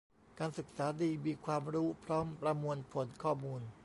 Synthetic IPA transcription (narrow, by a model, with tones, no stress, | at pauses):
kaː˧nsɯ˨˩k̚saː˩˦diː˧miː˧kʰwaː˧mɾuː˦˥pʰɾɔː˦˥mpɾa˧mu˧ənpʰo˨˩˦nkʰɔː˥˩muː˧n